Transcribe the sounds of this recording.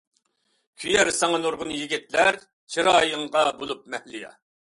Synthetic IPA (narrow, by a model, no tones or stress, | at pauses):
kʲʰyjɛɾsɑŋɑnoɾʁʊnjiɡʲit̪læɾ | t͡ʃʰiɾɑːjəŋʁɑbolˠup̚mɛhlɪjɑ̰